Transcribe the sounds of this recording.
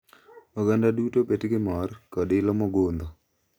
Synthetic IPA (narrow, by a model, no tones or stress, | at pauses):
ɔɡandadutobetɡɪmɔrkɔdɪlɔmɔɡond̪ɔ